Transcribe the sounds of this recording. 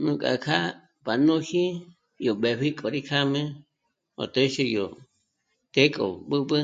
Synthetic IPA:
nũ˧kʼa̰˨kʰa˦ | pa˨nũ˦hi˦ | jo˨ɓe˨ɸi˦kʼo˨ɾi˦kʰa˦mẽ˦ | o̰˨t̪e˦ʃe˧jo˨ | t̪e˦kʼo̰˨ɓɨ˦bɨ˦

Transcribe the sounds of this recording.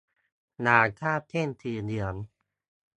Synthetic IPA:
naː˨˦t̪ʰaː˥˩t̪ʰe˥˩˨nt̪ʰiː˧˩dɯ˧˩ən

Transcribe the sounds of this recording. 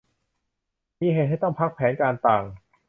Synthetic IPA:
miː˧ɦeː˨˩t̪̚ɦa˥˩jt̪ɔ˥˩ŋpʰa˦˥k̚pʰɛː˩˦˥nkaː˧nt̪aː˨˩ŋ

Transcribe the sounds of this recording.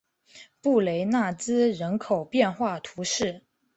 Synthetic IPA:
pu˥˩le˧˥ɪna˥˩t͡sɹ̩˥ɻə˧˥nkʰo˨˩ʊpjɛ˥˧nxwa˥˩t̪ʰu˧˥ʂɻ̩˥˩

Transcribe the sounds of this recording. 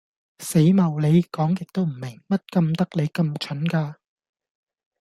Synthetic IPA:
se˨˥jmɐ˨wle˨˧jkɔː˨˥ŋjɪ˨k̚t̪o˥wm̩˨˩mɪ˨˩ŋmɐ˥t̚kɐ˧mt̪ɐ˥k̚le˨˧jkɐ˧mt͡ʃʰɵ˨˥nkaː˧

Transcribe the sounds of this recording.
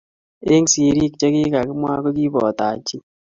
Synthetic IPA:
e˦ŋsi˨ɾi˦kt͡ʃe˦ki˦ka˨kɪ˦mwa̰˦ko˦ki˦bɔ˨ta˨t͡ʃi˦

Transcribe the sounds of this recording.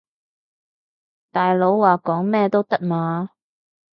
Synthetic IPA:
t̪aː˨jlo˨˥wwaː˨˩kɔː˨˥ŋmɛː˥˧t̪o˥wt̪ɐ˥k̚maː˨˧

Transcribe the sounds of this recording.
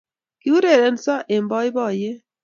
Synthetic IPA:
ki˦u˦ɾe˦˨ɾe˨nsɔ˦ʔe˨mbɔ˦jbɔ˦˨je˦

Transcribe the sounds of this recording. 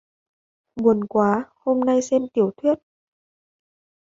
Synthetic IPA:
mu˨˩ənkwaː˨˦ho˧mna˧jsɛ˧mt̪i˧˩əwt̪ʰwi˦˥ət̚

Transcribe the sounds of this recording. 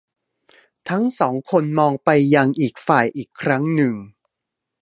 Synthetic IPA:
t̪ʰa˦˥ŋsɔː˩˦ŋkʰo˧nmɔː˧ŋpa˧jːa˧ŋʔiː˨˩k̚faː˨˩jʔiː˨˩kʰːɾa˦˥ŋnɯ˨˩ŋ

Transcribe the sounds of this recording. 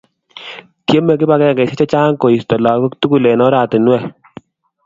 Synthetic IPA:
tje˦me˨k̬ɪ˦pa˦kɛ˦˨kɛ˨se˦t͡ʃɔ˦t͡ʃa˦ŋko˨i˨stɔ˨la˨ko˦ktu˦ku˨le˨nɔ˦ɾa˨tɪ˨nwɛ˦˨

